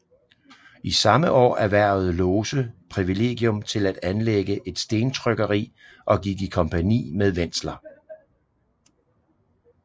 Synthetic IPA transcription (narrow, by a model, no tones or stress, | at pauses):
isɑ̈məʔɒ̰ːæɐʋæɐ̰ð̩ˠlɔːsəpʰʁiʋile̝̰ːɡ̥jɔ̽mt͡sʰe̝læd̥ænleɡ̥əʔe̝d̥sd̥e̝ːnt͡sʰʁœɡ̥ɐʁḭː | ʔɒ̽ɡ̥iɡ̥ikʰɒ̽mpʰænḭːmeðˠʋen̰slɐ